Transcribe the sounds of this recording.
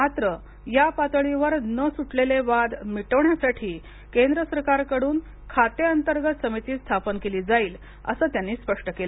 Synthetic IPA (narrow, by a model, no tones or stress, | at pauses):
mat̪ɾə | japat̪əɭiʋəɾnəsuʈleleʋad̪miʈəʋɳjasaʈʰiː | kend̪ɾəsəɾkaɾkəɽuːn | kʰat̪eənt̪əɾɡət̪səmit̪iːst̪ʰapənkeliːd͡zaiːl | ə̰səːt̪janːiːspəʂʈəkelə